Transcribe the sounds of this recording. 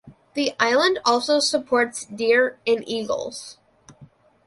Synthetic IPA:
ðiʔaɪlˠə̃ndɔlˠsoʊsəpʰɔɹtsdɪɹɨ̃nʔiɡl̩ˠz̥

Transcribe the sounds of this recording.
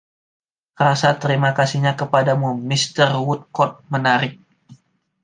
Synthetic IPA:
rasat̪əɾimakasiɲakəpadamumist̪ərwut̪̚kɔt̪̚mənaɾɪk̚

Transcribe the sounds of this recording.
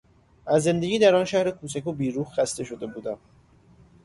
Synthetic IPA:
ʔæzːe̞nd̪e̞ɟʲiːd̪æɾɒːnʃæhɾekʰuːsækʰubiːɾuːhxæst̪e̞ʃo̞d̪e̞buːd̪æm

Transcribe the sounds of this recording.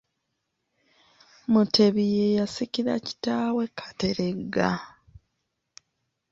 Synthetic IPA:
mutʰe̞βijejasiciɾa̰ci̥taːwe̞kʰḁte̞ɾe̞ɡːa

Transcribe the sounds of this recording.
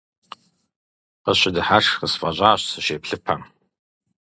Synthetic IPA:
qəʃʷadɨħaʂχəsfʼaʑʷʼaːʃsɨʃeːpʰɬɨpʰaŋ

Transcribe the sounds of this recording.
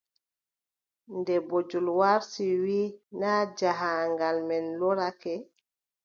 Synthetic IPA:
ndɛbod͡ʒulwaɾsiwinaːd͡ʒaɦaŋɡalmɛnlɔɾakɛ

